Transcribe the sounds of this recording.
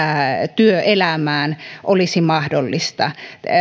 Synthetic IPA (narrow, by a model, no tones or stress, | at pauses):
æt̪yøʔelæmæːnʔolisimɑhdolːist̪ɑ̰